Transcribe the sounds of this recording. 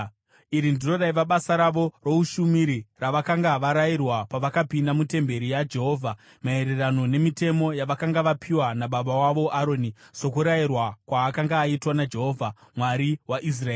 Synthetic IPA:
iɾindiro̞ɗaiʋaɓasaɾaʋo̞ro̞uʃumiɾiraʋakaŋɡaʋaɾairwapaʋakapindamute̞mbe̞ɾijad͡ʒe̞ɦo̞ːvʱa | mae̞ɾe̞rano̞ne̞mite̞mo̞jaʋakaŋɡaʋapʰiwanaɓaɓawaʋo̞ʔaɾo̞niso̞kuɾairwakwaːkaŋɡaːitwanad͡ʒe̞ɦo̞vʱamwaɾiwaʔis̬raeː

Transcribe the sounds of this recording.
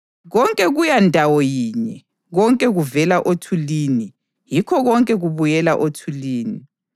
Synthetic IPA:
ɣɔŋkʼɛɣujandʱawɔjiːɲɛ | ɣɔŋkʼɛɣuvɛlaʔotʰulini | jikʰɔɣɔŋkʼɛɣuβujɛlaʔotʰuliːni

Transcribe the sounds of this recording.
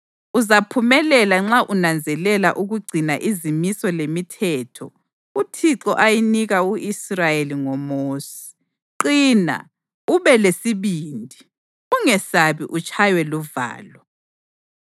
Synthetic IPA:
uzapʰumɛlɛlaŋ͡ǁaʔunand͡zʱɛlɛlaʔuɣuɡ͡ǀʱinaʔizimisɔlemitʰɛtʰɔ̰ | utʰiǁɔʔajiniɣauʔisrajeliŋɔmoːsɛ̥ | ǃiːna̰ | uβɛlesiβiːndʱi | uŋɛsaβiʔut͡ʃʼʰajwɛluva̰ːlɔ

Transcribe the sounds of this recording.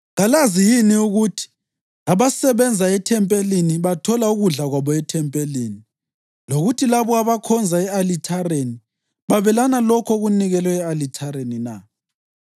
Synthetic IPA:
ɣalazijiniuɣutʰi̥ | aβasɛβɛnd͡zʱaɛtʰɛmpʼeliniβatʰɔlauɣuɮaɣwaβɔɛtʰɛmpʼeliːni | loɣutʰilaβɔaβakʰɔnd͡zʱaɛalitʰaɾeni | βaβɛlanalɔkʰɔɣuniɣɛlwɛɛalitʰaɾenina̰

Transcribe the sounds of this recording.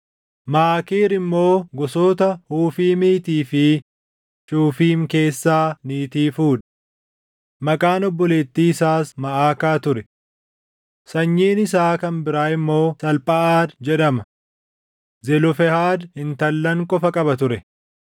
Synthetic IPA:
maaːkeːɾɪmːo̞ːɡɔsoːt̪ɐhuːfiːmiːt̪iːfɪ | t͡ʃʼuːfiːmke̞ːsːaːniːt̪iːfuːᶑɐ̥ | mɐkʼaːnɔbːɔleːt̪ːiːsaːsmɐʔaːkaːt̪ʊɾɛ | sɐɲːeːnɪsaːkɐnbɪɾaːɪmːo̞ːsɐlpʼɐʔaːd̪d͡ʒɛᶑɐmɐ | zɛlɔfɛhaːd̪hɪnt̪ɐlːɐŋkʼɔfɐkʼɐbɐt̪ʊɾɛ

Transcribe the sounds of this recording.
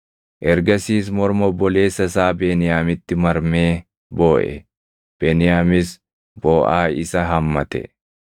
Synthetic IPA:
ʔɛɾɡɐsiːs̬mɔɾmɔbɔle̞ːsːɐsaːbeːnɪjaːmɪt̪ːɪmɐɾmeː | bo̞ːʔɛ̰ | b̥eːnɪjaːmɪs | b̥oːʔaːɪsɐɦɐmːɐt̪ɛ̰

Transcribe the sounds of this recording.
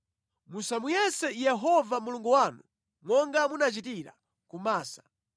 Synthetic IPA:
musamujɛsɛjɛɦɔvamuluŋɡuwaːnu | mwɔŋɡamunat͡ʃitiɾa̰ | kumaːsḁ

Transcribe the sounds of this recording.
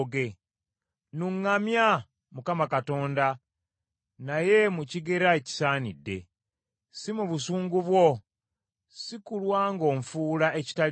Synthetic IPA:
ɡe | nuŋːamja | mukamakato̞ːnda | naje̞muciɡe̞ɾaeci̥saːnidːe̞̰ | simuβusuːŋɡuβwo̞ | sikulwaːŋɡo̞ːɱfuːlae̞ci̥ta

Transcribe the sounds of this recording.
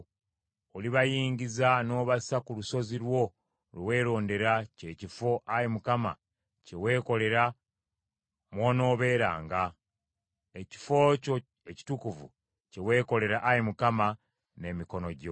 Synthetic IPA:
oliβajiːɲɟizano̞ːβasakuluso̞ziɾwo̞ | lewe̞ːɾo̞ːnde̞ɾace̞ːcifo̞ʔajemukama̰ | ce̞we̞ːko̞le̞ɾa | mwo̞ːno̞ːβe̞ːɾa̰ːŋɡa | eci̥foco | eci̥tukuvṵ | ce̞we̞ːko̞le̞ɾaʔajemukama | ne̞miko̞no̞ɟo̞

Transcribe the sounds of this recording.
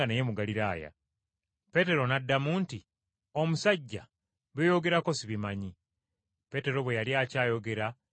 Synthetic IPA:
aneje̞muɡaliɾaːja̰ | pe̞te̞ɾo̞nadːamuːnti | o̞musaɟːa̰ | βejo̞ɡe̞ɾako̞siβimaɲi | pe̞te̞ɾo̞βwe̞jaljaːcaːjo̞ɡe̞ɾa

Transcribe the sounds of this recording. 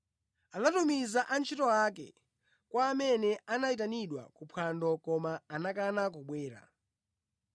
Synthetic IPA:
anatumizaʔant͡ʃʰitɔakɛ̰ | kwaːmɛnɛanait̬aniɗwa̰kupʰwandɔkɔmaːnakanakuɓwɛːɾa̰

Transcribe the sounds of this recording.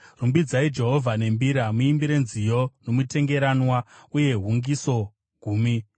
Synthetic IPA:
rumbid͡zaid͡ʒe̞ɦo̞vʱane̞mbiɾamuimbiɾenzijo̞no̞mute̞ŋɡe̞ɾanwauje̞ɦuŋɡiso̞ | ɡʱuːmi

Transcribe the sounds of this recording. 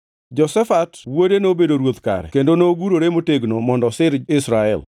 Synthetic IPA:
d͡ʒɔsɛfatwodenobedoɾwot̪ka̰ɾɛ̰kendonooɡuɾoɾemoteɡnomɔndɔsɪɾɪsɾaɛ̰l

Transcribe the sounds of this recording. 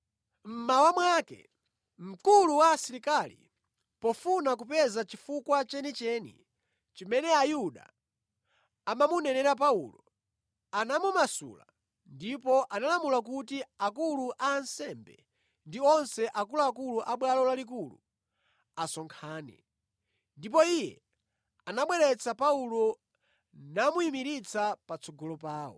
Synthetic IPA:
m̩mawamwakɛ̰ | m̩kuluwaːsiɾikalḭ | pɔfunak̬upɛzat͡ʃifukwat͡ʃɛnit͡ʃɛnḭ | t͡ʃimɛnɛajuɗa̰ | mamunɛnɛɾap̬aulɔ | anamumasṵla̰ | ndipɔʔanalamulakutiakuluʔaːnsɛmbɛ̰ | ndiɔnsɛʔakuluakuluʔaɓwalɔlalik̬ulṵ | asɔŋkʰaːnɛ̰ | ndip̬ɔijɛ̰ | anaɓwɛɾɛt͡sapaulɔ | namuimiɾit͡sapat͡sʰɔɡɔlɔpaːwɔ̰

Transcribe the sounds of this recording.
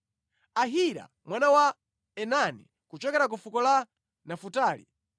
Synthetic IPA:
aɦiɾa̰ | mwanawa | ɛnanḭ | kut͡ʃɔkɛɾak̬ufukɔla | nafutaːlḭ

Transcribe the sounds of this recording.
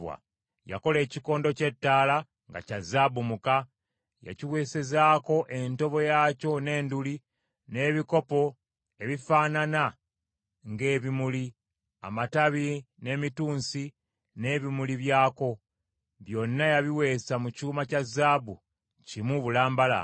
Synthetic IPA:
wa̰ | ja̰ko̞le̞ːciko̞ːndo̞ce̞tːaːla | ŋɡa̰cazːabumuka | ja̰ciwe̞ːse̞zaːko̞ʔe̞nto̞βo̞jaːco̞ne̞ːnduli | ne̞ːβiko̞po̞ | e̞βifaːnana | ŋɡe̞ːβimuli | a̰mataβi | ne̞ːmituːnsi | ne̞ːβimuliβjaːko̞ | βjo̞nːajaβiwe̞ːsamucuːmacazːaːbu | cimuβulaːmbala̰

